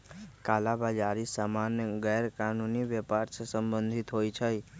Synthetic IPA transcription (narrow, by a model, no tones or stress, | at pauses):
kalabad͡ʒaɾisamanjəɡɛɾkanuniʋjɛpaɾssəmbənd̪ʱit̪ɦojt͡ʃʰəj